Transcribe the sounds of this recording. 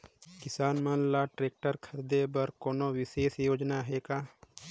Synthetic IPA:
kɪsaːnmanlaʈɾeːk̚ʈəɾkʰəɾd̪ebəɾkoːnowɪseːsjoːd͡ʒnaɦeːkaː

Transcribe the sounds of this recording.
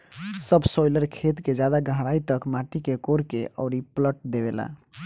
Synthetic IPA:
səbsojləɾkʰet̪ked͡ʒjad̪aɡəɦɾait̪əkmaʈikekoɾkeʔə̰ʊɾipləʈ̚d̪eβela̰

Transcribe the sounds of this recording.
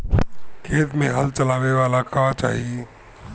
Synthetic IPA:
kʰeːt̪mẽɦɐlt͡ʃɐlaːʋeʋaːlakat͡ʃa̰ːɦie

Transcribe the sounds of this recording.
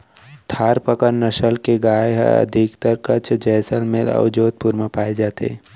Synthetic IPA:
t̪ʰaːɾpəkəɾnəʃəlkeɡaːjɦə̰d̪ʱɪkt̪əɾkət͡ʃʰd͡ʒɛːsəlmelə̰ʋd͡ʒoːd̪̚puɾməpaːed͡ʒaːt̪ḛː

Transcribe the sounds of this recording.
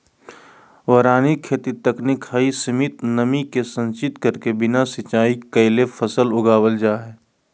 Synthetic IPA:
ʋɐɾaːnikʰeːt̪it̪ɐknikʰhaːisəmɪt̪nəmikesə̃nt͡ʃɪt̪kəɾkebɪnasɪt͡ʃaːikɐɪlefʰəsəlʊɡaːwəld͡ʒaːɦɛː

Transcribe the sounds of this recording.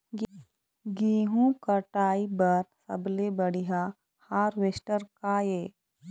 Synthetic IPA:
ɡiːɦũkəʈaːibɐɾsɐ̰blebəɽiɦa | haːɾʋesʈəɾkaːjeː

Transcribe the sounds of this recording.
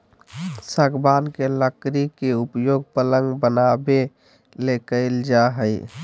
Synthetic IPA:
səɡbankeləkɾikeupjoɡ̚pələŋɡbənabe | lekəɪld͡ʒaɦəj

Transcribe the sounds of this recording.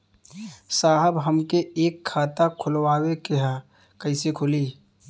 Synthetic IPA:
saːɦəbɦəmkeeːkʰːaːt̪akʰʊlwaːwekeɦa | kəɪsekʰʊliː

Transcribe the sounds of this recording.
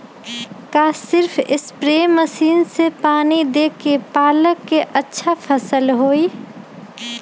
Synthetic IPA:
kaːsɪɾpʰɪ̰spɾeːmːəsiːnsepaːnid̪eːkepaːləkːeʔətːʃʰapʰəsəlɦoːi

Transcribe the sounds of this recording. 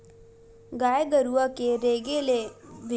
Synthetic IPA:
ɡaːjɡəɾuʋəkeɾeːɡeleʋɪ

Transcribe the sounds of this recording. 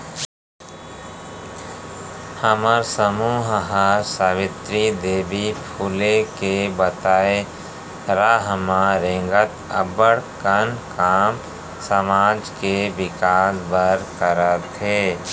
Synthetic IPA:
həməɾsəmuːɦɦaɾsaːbɪt̪ɾid̪eːbipʰuːlekebət̪aːe | ɾaːɦmaɾẽŋɡət̪əbəɽkənkaːm | səmaːd͡ʒkebɪkaːsbəɾkəɾət̪ɦeː

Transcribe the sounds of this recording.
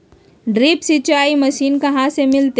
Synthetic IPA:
ɖɾiːpsit͡ʃaːimɐʃiːnkɐɦãsemɪlt̪e

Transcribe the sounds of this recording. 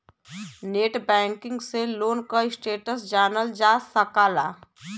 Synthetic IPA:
neːʈbɛ̃ːŋkɪ̃ŋɡseloːnkaɪsʈeːʈəsd͡ʒaːnəld͡ʒaːsːəkaːlaː

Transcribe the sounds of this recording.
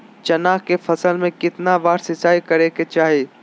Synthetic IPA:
t͡ʃɐnaːkefʰɐsəlmẽkɪt̪naʋaːɾsɪsaːikɐɾeket͡ʃaːɦieː

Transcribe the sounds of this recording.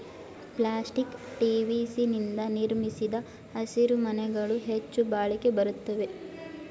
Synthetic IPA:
plaːsʈikʈiːʋiːsinind̪ɐniɾmisid̪ɐ | ɐsiɾumɐnɛɡɐɭuɦet͡ʃːubaːɭike̞bɐɾut̪ːɐʋe̞

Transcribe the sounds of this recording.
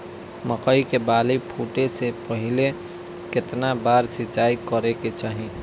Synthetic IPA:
məkəikebaːlipʰuːʈesepəɦɪle | kɪt̪nabaːɾsɪt͡ʃaːikəɾeket͡ʃaːɦi

